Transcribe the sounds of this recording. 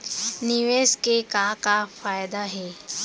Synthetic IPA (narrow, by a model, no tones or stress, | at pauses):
nɪʋeːskekakafaːjd̪aɦɛː